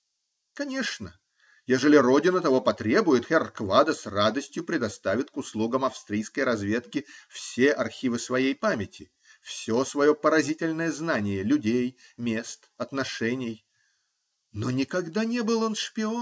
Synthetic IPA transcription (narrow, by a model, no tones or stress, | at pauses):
kɐnʲe̞ʂnə | jeʐəlʲɪro̞dʲɪnət̪ɐvo̞pɐt̪ɾʲe̞bʊjɪt̪xʲɪrkvad̪əsrad̪əsʲtʲjʊpɾʲɪd̪ɐst̪avʲɪt̪kʊslˠuɡəmɐfst̪ɾʲijskəjɾɐzvʲe̞t̪kʲɪfsʲeʔɐrxʲivɨsvɐjejpamʲɪtʲɪ | fsʲosvɐjo̞pəɾɐzʲitʲɪlʲnəjəznanʲɪjəlʲʉdʲejmʲe̞st̪ɐt̪nɐʂɛnʲɪj | nonʲɪkɐɡd̪anʲe̞bɨlˠonʂpʲɪon